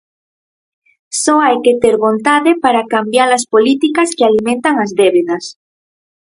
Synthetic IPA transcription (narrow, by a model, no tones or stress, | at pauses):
soajket̪eɾβõ̞nt̪aðepaɾakambjaɾlaspolit̪ikaskealimẽnt̪aŋazðeβeðas